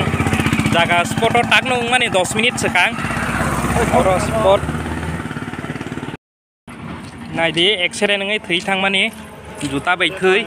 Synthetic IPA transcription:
ŋzaɡaspɔɾtɔɾtak̚nɯɯŋmanedɔsminit̚sɯkaŋ | bɔɾɔspɔɾt̚ | najdeɛkseɾɛnɯŋɯjtʰɯjtʰaŋmanezutabajtʰɯj

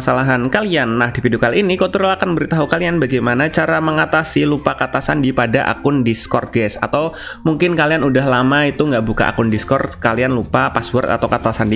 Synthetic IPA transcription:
salaɦankalianːahdifidukalinikot̪uɾulakanbəɾit̪aɦukalianbaɡajmanat͡ʃaɾaməŋat̪asilupakat̪asandipadaʔa̰kʊndiskɔr̚ɡɛsa̰t̪aw | muŋkɪnkalianudahlamait̪uŋɡaʔbuka̰ʔa̰kʊndiskɔrkalianlupapaswəra̰t̪awkat̪asandi

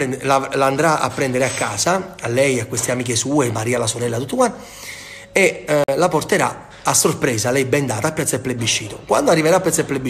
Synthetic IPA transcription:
ɛlaland̪ɾaa̰pːɾɛnd̪eɾeakːaːsaalːɛjakːwest̪eamiːkesuːemaɾiːalasoɾɛlːat̪ut̪ːokwan | elaport̪eɾa̰ | asːorpɾɛːzalɛjbɛnd̪aːt̪aːpːjɛt̪sːaepːlebːiʃːiːt̪okwa̰nd̪oarːiveɾaːpːɛt̪sːaɛpːlebːi

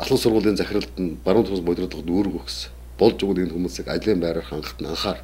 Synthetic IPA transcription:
aɮə̆nsʊrʁʊːɮiːnt͡sæxʲɪ̆rə̆ɬt̪ə̆npaɾə̆nt̪ʰʊːsmʊjt̪ʲrə̆t̪ə̆nuːrɣujxs | pɔɮt͡ɕʊɣɘ̆nenxumuːsɘ̆ka̰t͡ɕɮiːmpæːɾəːrχaɴɢə̆χt̪ə̆na̰ɴχaːr

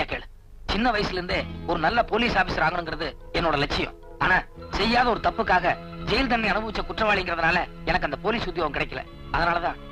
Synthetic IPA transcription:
akeːɭ | t͡ʃɪnːɐʋɐjɐsɪlɪɾɯnd̪eːɔɾɯnɐlːɐpoːliːsaːfɪsɐɾaːɣɐɳɯŋɡɪɾɐðɯ | ɛnːoːɽɐlɛt͡ʃːɪjʊ̰̃ | aːnaːsɛjːaːðɐɔɾɯt̪ɐpːɯkːaːɣɐ | d͡ʒɛjɪlt̪̬ɐnːiɐnɯbɐʋɪt͡ʃːɐkʊʈrɐʋaːɭɪŋɡɪɾɐðɯnaːlɐɛnɐkːɐnd̪ɐpoːliːsʊd̪joːʋɐ̃mkɪɽɐɪkːɐlɛ̰̃ | ɐðɐnaːlɐt̪ãː

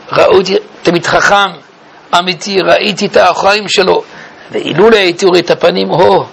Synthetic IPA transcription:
ʁaʔut̪it̪amit̪χaχam | amit̪iʁaʔit̪it̪aχaimʃelo̞ | vḛʔḭluleajt̪iʁet̪apanimho

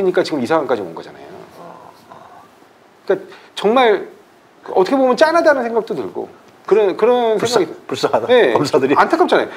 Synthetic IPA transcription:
iɲik͈at͡ɕiɡɯmisʰaŋank͈ad͡ʑimonɡʌ̰d͡ʑa̰na̰jo̰ | ik͈at͡ɕʌŋmaɭ | ʌtʰʌkʰebomjʌnt͡ɕ͈anadanɯnsʰe̞ŋɡak̚t͈otɯ̰ɭɡo̰ | kɯɾʌnkɯɾʌnseŋɡaaɡipus͈aadane̞kʌmsʰadɯɾiantʰak͈ʌp̚t͡ɕana̰jo̰

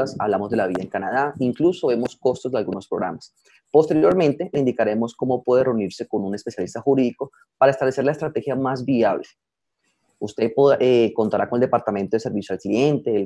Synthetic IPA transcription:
asa̰βlamozd̪e̞laβiðaeŋkanað̞aiŋkluso̞βe̞mo̞sko̞st̪o̞zd̪ealɡuno̞spɾoɣɾa̰mas | po̞st̪e̞ɾjo̞ɾmẽnt̪e̞ind̪ikaɾe̞mo̞sko̞mo̞pwe̞ðereuniɾse̞ko̞nune̞spesjalist̪axuɾiðiko̞ | paɾaest̪aβle̞seɾlaest̪ɾat̪e̞xjamazbiaβle | ust̪e̞poeko̞nt̪aɾakoneld̪epaɾt̪ament̪oe̞se̞ɾbisjoelklije̞nt̪e̞ː

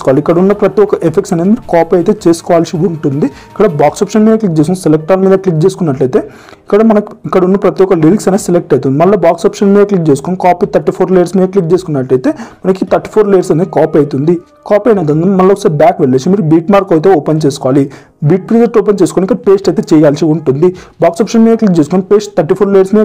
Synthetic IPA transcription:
kɔʋaːliikːɐɽɐunːɐpɾɐt̪iɔkɐʔepʰekʈsɐneːd̪imiɾukaːpɐjt̪eːt͡ʃeːsu̥kɔʋaːlsiuɳʈund̪i | ikːɐɽɐbaːksɔːpʂɐnmiːd̪ɐklik̚d͡ʒeskunisɛlek̚ʈaːlɐmiːd̪ɐklik̚t͡ʃe̞ːsu̥kunːɐʈlɐjt̪e̞ː | ikːɐɽɐmɐnɐkikːɐɽɐunːɐpɾɐt̪ijɔkɐliliksɐneːselek̚ʈɐjt̪und̪imɐɭːoːbaːksɔːpʂɐnmiːd̪ɐklik̚t͡ʃeːsu̥konikaːpiːt̪ʰɐɾʈːipʰoːɾlejɐɾsmiːd̪ɐklik̚t͡ʃe̞ːsu̥kunːɐʈːɐjt̪e̞ːmɐnɐkit̪ʰɐɾʈi̥pʰoːɾlejɐɾsɐndeikaːpɐjt̪und̪i | kaːpɐjnɐjt̪und̪imɐlːoksɐbjaːkʋeɭːeːsumiːɾubiːʈmaːɾkɐjt̪̬eoːpent͡ʃeːsu̥kɔʋaːli | biːʈ̚pɾizeʈoːpent͡ʃeːsu̥konikːɐɽɐpe̞ːsʈɐjt̪et͡ʃɛjaːlsiuɳʈund̪ibaːksɔːpʂɐnmiːd̪ɐklik̚t͡ʃe̞ːsu̥konipeːsʈ̚t̪ʰɐɾʈːipʰoːɾlejɐɾsmiːd̪ɐ

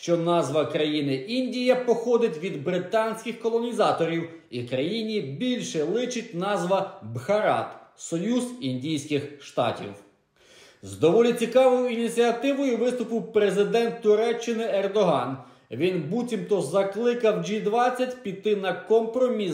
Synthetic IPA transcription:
ʃt͡ʃɔnɑzʋɐkɾɐjinɪʔinʲdʲijɐpɔxɔd̪ɪtʲʋʲid̪bɾɪt̪ɑnʲsʲkʲɪxkɔlˠɔnʲizɑt̪ɔɾʲiw | ikɾɐjinʲibʲilʲʃɛlˠɪt͡ʃɪtʲnɑzʋɐbhɐɾɑ̰t̪sɔjuzinʲdʲijsʲkɪxʃt̪ɑ̰tʲḭw | zd̪ɔʋɔlʲit͡sʲikɑʋɔjʊinʲit͡sʲiɐt̪ɪʋɔjʊʋɪst̪ʊpɪwpɾezɪd̪ɛnt̪ːʊɾɛt͡ʃːɪnɪɛrd̪ɔɦɑn | ʋʲinbutʲimt̪ɔzɐklˠɪkɐwd͡ʒid̪ʋɑt͡sʲːɐtʲpʲit̪ɪnɐkɔmpɾɔmʲi

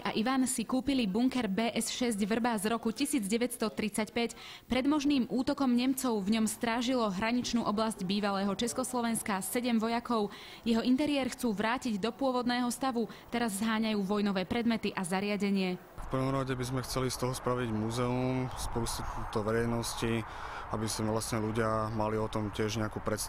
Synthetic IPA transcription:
ʔa̰ʔiʋansikuːpilibuŋkɛɾbɛːʔɛsʃɛzɟʋr̩baːzɾɔkucisiːd͡zɟɛʋɛtst̪ɔt̪ɾit͡sacpɛc | pɾɛd̪mɔʒniːmʔuːt̪ɔkɔmɲɛmt͡sɔʊvɲɔmst̪ɾaːʒilɔɦɾaɲit͡ʃnuːʔɔblazɟbiːʋalɛːɦɔt͡ʃɛskɔslɔʋɛnskasɛɟɛmʋɔjakɔʊ | jɛɦɔint̪ɛɾɪɛːɾxt͡suːʋɾaːciɟd̪ɔpʊɔʋɔd̪nɛːɦɔst̪aʋut̪ɛɾazːɦaːɲajuːʋɔjnɔʋɛːpɾɛd̪mɛt̪iʔazaɾɪaɟɛɲɪɛ | fpər̩ʋɔmɾaɟɛbizmɛxt͡sɛlist̪ɔɦɔspɾaʋiɟmuzɛumspusit̪ɔʋɛɾɛjnɔsci | abisʋlast̪ɲɛluɟɪamaliɔt̪ɔmcɪɛʒɲɛakuːpɾɛt̪s

